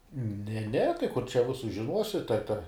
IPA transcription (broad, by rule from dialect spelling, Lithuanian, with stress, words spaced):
nʲɛ nʲɛ tɐɪ kʊr t͡ʃʲɛ ˈʋʲɪsʊs ʒʲɪˈnuɔsʲɪ tɐ tʲɛ